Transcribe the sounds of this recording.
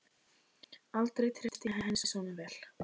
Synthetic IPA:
alt̪ɾejt̪ʰɾɪt̪ɪɦɛɦɛnsʏsɔːwnʏmvɛːl̥

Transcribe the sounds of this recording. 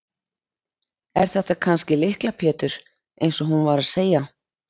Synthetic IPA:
ɛɾ̥θɛht̪ːakʰanscɪlɪhklapʰɛːt̪ʏɾ̥ | ejnsɔɦunvaɾaðseːja

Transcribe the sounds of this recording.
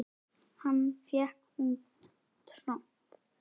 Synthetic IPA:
hanːfjɛhkhunt | t̪ʰɾɔm | p

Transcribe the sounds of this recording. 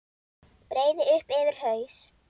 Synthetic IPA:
pɾeːjðɪʏhpɛvɪɾ̥hœːɥs

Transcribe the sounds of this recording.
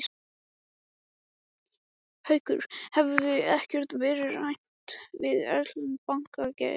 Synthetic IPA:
hœɥkʏ̰ɾ̥hɛvʏðɪɛhcɛɾ̥t̪vɛːɾɪɾajn̥t̪vɪðɛ̰ɾlʏmpaŋ̥kacɛ̰

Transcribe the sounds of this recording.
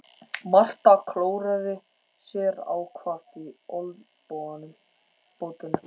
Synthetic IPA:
mar̥t̪akʰloːwɾaðɪ | sjɛːɾa̰wkʰvar̥t̪iol | powðanʏm | powt̪ɪna

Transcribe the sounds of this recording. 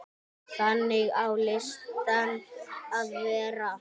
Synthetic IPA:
ɬaneauleʃtanavɛːra

